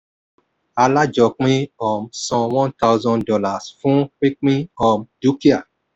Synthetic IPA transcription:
a˧la˦d͡ʒɔ˨k͡pĩ˦ɔ˨msɔ̃˨wɔ̃˦nta˦wzɔ̃˧ndɔ˦la˨sfũ˦k͡pi˦k͡pĩ˦ɔ˨mdu˦ki˦a˨

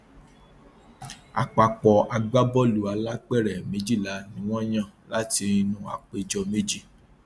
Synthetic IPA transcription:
a̰˨k͡pa˨k͡pɔ˨a˧ɡ͡ba˦bɔ˦lu˨a˧la˦k͡pɛ˦˨ɾɛ˨mẽ˨˦d͡ʒi˦˨la˨˦nĩ˨˦w̃ɔ̃˦j̃ã˦˨la˦ti˧i˧nũ˦a̰˨k͡pe˧d͡ʒɔ˧me˦d͡ʒi˦˨

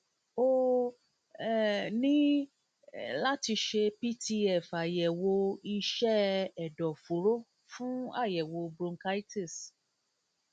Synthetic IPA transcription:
o˦˨ | nĩ˦ | la˦ti˧ʃe˧pi˦ti˧ɛ˦˨fa˨jɛ˨wo˧i˧ʃɛ˦ɛ˨dɔ˨fo˨ɾo˦ | fũ˦a˦˨jɛ˨wo˧bɾũ˧ŋka˦i˦ti˦˨s

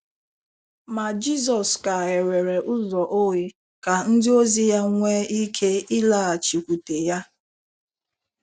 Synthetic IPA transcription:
ma˨d͡ʒi˦zɔ˨ska˨e˨ɾe˨ɾe˨ʔʊ˦zɔ˨ʔo˦wi˦ | ka˨n̩˦dɪ˦o˦zi˦ja˦ŋʷe˦i˦kʰe˦i˦la˦˨a˨t͡ʃi˨kʷu˨te˨ja˦

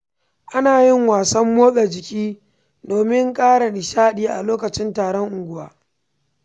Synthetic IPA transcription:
ʔa˦naː˨jɪ˦ŋwaː˨sɐ˦mːoː˦ɗɐ˨d͡ʒɪ˨kʲʼiː˦ | doː˨mɪ˦ŋkʼaː˦ɽa˨nɪ˨ʃaː˦ɗiː˦ʔa̰˨loː˦kɐ˨t͡ʃɪ˦ntaː˨ɽɔ˦ŋʔʊ˨ɡʷʊ˦waː˦

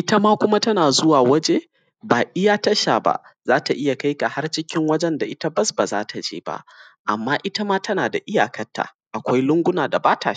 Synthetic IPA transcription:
ʔɪ˦tɐ˦maː˦kʷʊ˦ma˦tɐ˦naː˨zʊ˦waː˨wɐ˦d͡ʒe˦ | baː˨ʔɪ˦jaː˦tɐ˦ʃaː˨ba̰˦ʔzaː˦ta˨ʔɪ˦ja˨ka˦jka˨ha˦rt͡ʃɪ˦kʲɪ˦ŋwɐ˦d͡ʒɛ˦nda˨ʔɪ˦ta˦bɐ˦sbaː˨zaː˦tʰa˨d͡ʒḛː˦ba̰˦ʔʔa̰˨mːaː˦ʔɪ˦tɐ˦maː˦tʰɐ˦naː˨da˨ʔɪ˦jaː˨kɐ˦tːa̰˨ | ʔa˨kʷa˦jlʊ˦ŋɡʷʊ˦naː˨da˨baː˦ta̰ː˨˦

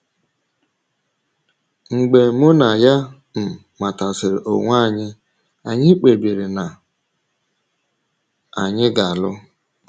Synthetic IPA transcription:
ŋ͡m̩˨ɡ͡be˨mʊ˦na˨ja˦ | m̩˨ | ma˨ta˨sɪ˨ɾɪ̰˨ʔo˨ŋʷ˦a˦˨ɲɪ˦ | a˨ɲɪ˦k͡pe˨bi˨ɾɪ˨na˨ | a˨ɲɪ˦ɡa˨a˨lʊ˦

